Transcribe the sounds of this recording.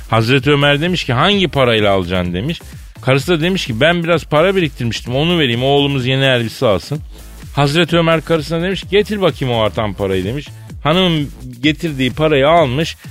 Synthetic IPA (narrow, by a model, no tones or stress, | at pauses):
hazɾɛt̪ʰiø̞mæɾd̪e̞miʃciɦaɲɟipʰaɾajilʲˠaːlˠɯd͡ʒaːnd̪e̞miʃ | kʰaɾɯsɯnad̪e̞miʃcibænbiɾazpʰaɾabelʲic̚t̪ʰiɾmiʃt̪ʰimo̞nuve̞ɾijːimo̞ːlˠumuzje̞nɛælʲbisaːsɯn | hazɾɛt̪ʰø̞mæɾkʰaɾɯsɯnad̪e̞miʃcʰiɟe̞t̪ʰiɾbacʰimoaɾt̪ʰampʰaɾajɯd̪e̞miʃ | hanɯmɯmɟe̞t̪ʰiɾd̪iːpʰaɾajɯalˠmɯʃ